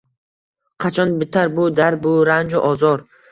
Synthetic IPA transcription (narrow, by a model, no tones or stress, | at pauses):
qʰat͡ʃʰɒnbɪt̪ʰːaɾbud̪aɾbuɾand͡ʒuʔɔzɔɾ